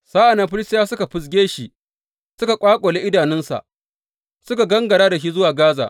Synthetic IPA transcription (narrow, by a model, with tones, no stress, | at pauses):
saː˦ʔa˨na˨ɸɪ˦lɪ˦stɪ˦jaː˦sʊ˦ka˨ɸʊ˨s̬ɡʲeː˦ʃi˨ | sʊ˦ka˨kʷʼaː˦kʷʼo˨le˦ʔɪ˦daː˨nɪ˦nsa̰˨ʔ | sʊ˦ka˨ɡɐ˦ŋɡɐ˨ɽaː˦da˨ʃ̬i˦zʊ˦waː˨ɡaː˦za̰ː˨ʔ